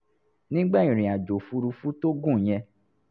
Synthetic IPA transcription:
nĩ˦ɡ͡ba˦˨ĩ˨ɾ̃ĩ˨a˨d͡ʒo˨fu˧˦ɾu˧fu˦to˦ɡũ˦˨j̃ɛ̃˧

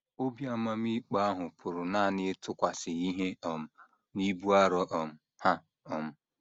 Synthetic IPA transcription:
o˦bja˦ma˦m̩˦i˦k͡pa˦a˦ɦʊ˨pʰʊ˨ɾʊ˨na˦˨nɪ˦tʊ˦kʷa˨sɪ˨i˦ɦe˦ɔ˨m̩˨ | ni˦bu˦a˦ɾɔ˦ʔɔ˨m̩˨ | ha˦ | ɔ˨m̩˨

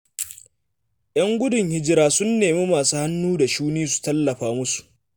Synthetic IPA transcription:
ʔj̰ɐ˦ŋɡʷʊ˦dʊ˨ŋhɪ˦d͡ʒɪ˦ɾaː˦sʊ˦nːeː˨meː˦maː˨suː˦ha˦nːuː˦da˨ʃuː˦niː˦s̬u̥˨tɐ˦lːɐ˨ɸaː˦mʊ˦su̥˨ʔ

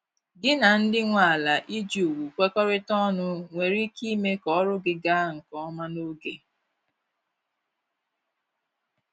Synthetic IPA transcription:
ɡɪ˦na˨n̩˦dɪ˦ŋʷa˨a˨la˨ʔi˦d͡ʒu˨u˨wu˨kʷe˦kɔ˦ɾɪ˦tɔ˦nʊ˦ŋʷe˨ɾi˦ki˦me˦kɔ˦ɔ˦ɾʊ˦ɡɪ˦ɡa˦ŋ̩˨kɔ˦ma˦no˦ɡe˨

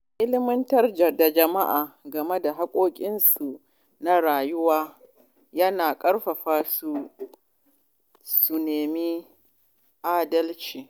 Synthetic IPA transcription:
ʔɪ˦lɪ˦mɪ˦ntɐ˦rd͡ʒɐ˨da˨d͡ʒɐ˨ma˦ʔaː˨ɡɐ˨me˦da˨ɦa˦kʷʼoː˦kʲʼɪ˦nsu˨ʔ | na˦ɽaː˨jʊ˦waː˦ | jɐ˦naː˨kʼɐ˦ɽɸɐ˨ɸaː˦su˨ | su˨neː˨mi˦ | ʔaː˦dɐ˦lt͡ʃiː˨

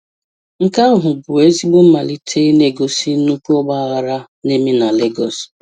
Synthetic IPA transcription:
ŋ̩˦ka˦ʊ˦ɦʊ˨bʊ˨e˦zi˦ɡ͡bʊ˦m̩˦ma˨li˦tʰe˦ne˦ɡo˨si˦nu˦ku˦ɔ˦ɡ͡ba˦˨ɣa˨ɾa˦ | ne˦me˦na˨le˦ɡɔ˨s

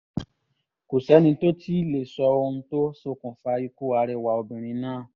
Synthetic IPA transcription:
ko˨sɛ˨˦nĩ˧to˦ti˦le˨sɔ˧o˧n̩˧to˦so˦˧˨kũ˨fa˧i˧ku˦˨a˧ɾɛ˧˨wa˧˨o˧bũ˨ɾ̃ĩ˧˦nãː˦˨

